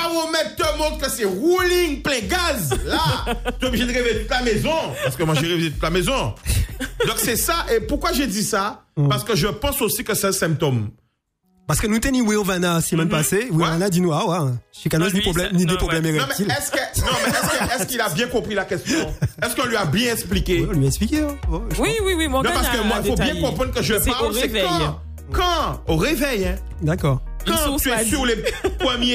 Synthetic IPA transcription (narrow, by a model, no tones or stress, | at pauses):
aʁomɛtt̪əmɔ̃t̪kəsɛʁulĩŋplɛ̃ɡazlat̪obliʒed̪ʁevejet̪ut̪lamezɔ̃ppaʁsə̥kəmwaʒeʁeveet̪u̥t̪lamezɔ̃ | d̪ɔ̃ksɛsaʔepuʁkwaʒed̪isapaʁsə̥kəʒəpɑ̃sosikəsɛɛ̃sɛ̃p̚t̪ɔm | paʁsə̥kənũt̪ɛniwiɔ̃vanasəmɛ̃npasewĩvanad̪inũawãʃikanoznipʁoblɛmnid̪øpχɔblɛmeʁɛ̃mɛtilɛsnɔ̃mɛɛskəɛskilabjɛ̃kɔ̃pχilakɛst̪ɔ̃ɛskɔ̃lɥiabjɛ̃ɛ̃splikeɔ̃lɥiɛ̃ksplikʲeɔɔwiwiwimɔ̃nɔ̃passəkəmwailfobjɛ̃kkɔ̃pχɑ̃d̪ʁkəʒəpaosɛk | kɑ̃oʁevɛjɛ̃ | d̪akɔʁkɑ̃t̪yɛpiulepχəmje